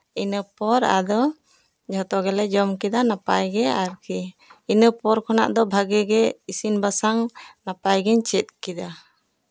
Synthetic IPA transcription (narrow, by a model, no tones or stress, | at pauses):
inəpɔɾa̰d̪ɔ | d͡ʒʱɔt̪ɔɡɛlɛd͡ʒɔmkɛd̪anapajɡɛaɾkiinəpɔɾkʰɔna̰ʔd̪ɔbʱaɡɛɡɛisinbasaŋnapajɡɛɲt͡ʃɛt̪̚ˀkid̪a